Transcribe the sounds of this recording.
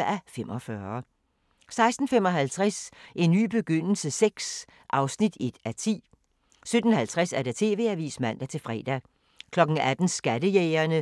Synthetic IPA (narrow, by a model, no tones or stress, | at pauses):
æfemʔɒ̽fɶɐ | sɑ̈ɪsd̥n̩fem̰ɒ̽ɦælt͡sʰʁasʔe̝nːy̰ːb̥e̝ɡ̥øn̰l̩səseɡ̥s | ʔɑ̈ʊsnid̥e̝d̥æt͡sʰḭː | sød̥n̩hælt͡sʰʁɛsæɐɾ̥æt͡sʰe̝̰ːʋe̝̰ːæʋḭːsmæn̰d̥æt͡sʰe̝lfʁɛ̰ːd̥æ | kʰlɒ̽ɡ̥ŋ̩æd̥n̩sɡ̥æd̥əjeɪɐnə